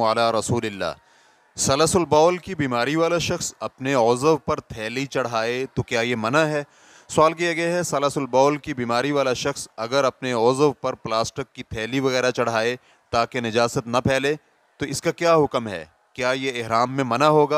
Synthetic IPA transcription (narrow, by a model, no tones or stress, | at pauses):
ɐlaːɾɐsuːlɪlːa̰ː | sɐləsʊlbɔːlkibiːmaːɾiʋaːlaʃɐxsɐpneɔːzəʋpɐɾt̪ʰɛːlit͡ʃɐɽ̤aːet̪okjaːjemɐnaɦɛː | sʊaːlkijaɡɐaɦɛsɐləsʊlbɔːlkibiːmaːɾiʋaːlaʃɐxsɐɡəɾɐpneɔːzəʋpɐɾplaːsʈɪkːit̪ʰɛːliʋɐɣɛːɾat͡ʃɐɽ̤aːe | t̪aːkenɪd͡ʒaːsət̪nɐpʰɛːle | t̪oɪskakjaːɦʊkmɦɛ̰ː | kjaːjeːɦɾaːmːẽmɐnaɦoːɡaː